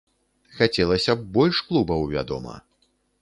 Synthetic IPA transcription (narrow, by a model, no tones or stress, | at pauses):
xat͡sʲɛlˠɐsʲɐbbɔlʲʂklˠubɐwvʲa̰d̪ɔ̰mɐ̰